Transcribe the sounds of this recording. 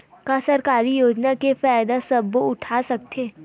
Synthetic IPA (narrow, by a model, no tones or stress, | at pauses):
kasɐɾkaːɾijoːd͡ʒnakefɛːjd̪asɐbːoʊʈʰaːsɐk̚t̪ʰeː